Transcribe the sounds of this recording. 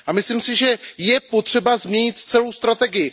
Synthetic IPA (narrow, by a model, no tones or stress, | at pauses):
ʔamɪslimsɪʒɛjɛpo̞t̪r̝̥ɛbazmɲɛɲɪt̪t͡sɛlo̞wst̪ɾat̪ɛɡɪjɪ